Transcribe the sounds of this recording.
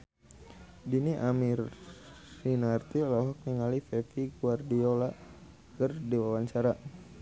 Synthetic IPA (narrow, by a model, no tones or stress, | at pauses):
diniʔamirː | inart̪ilɔɦɔk̚niŋalifɛfiɡuardiola | kərdiwawaɲt͡ʃaɾa